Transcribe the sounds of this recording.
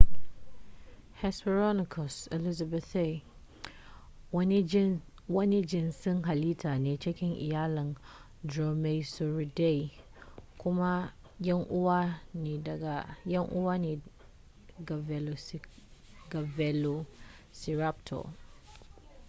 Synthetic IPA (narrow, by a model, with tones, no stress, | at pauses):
hɛ˨spɛ˨ɾɔ˦nɪ˨kʰɔ˨sɛ˨li˦za˨bɛ˨θe˦˨˦ | n˦ | wɔ˦nɪ˦d͡ʒɪ̃˨nsɪ̃˦nɦa˨li˦tʰa˨nĩ˨t͡ʃʰɛ˦kʲʰɪ̃˦nʔḭ˨jaː˦lã˨n | dɾɔ˨me˦so˨ɾi˨de˦˨i˨ | kʰʊ̃˦ma˦ | jɛ˦nʔʊ˦wa˦nɪ̃˨da˨ɡa˨jɛ˦nʔʊ̰˦wa˦nɪ̃˨ | ɡa˨vɛ˨lo˨ | ɡa˨vɛ˨lo˨ | si˨ɾa˦p̚tʰɔ̰˨